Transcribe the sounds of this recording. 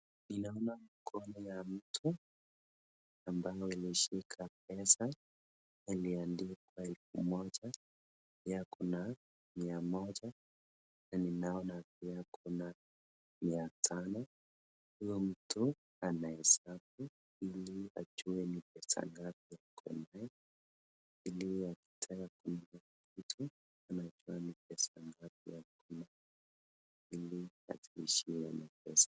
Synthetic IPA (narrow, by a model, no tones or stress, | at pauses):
ninaɔnamkʰɔnijam̩tʰu | ambajɔiliʃikʰap̚ɛsa | niliandikwaɛlfumɔd͡ʒa | pijakuna | miamɔʄa | naninaɔnap̚iakʰuna | miatʰanɔ | hujɔm̩tu | anahɛsab̚u | ilia̰d͡ʒuɛnip̚ɛsa̰ŋɡap̚ijakʰɔ̰naɛ | iliaki̥tʰajakuna | kitʰu | anad͡ʒuanip̚ɛsaŋɡap̚ijakʰuna | ilia̰tiiʃiɛɛnapɛsḁ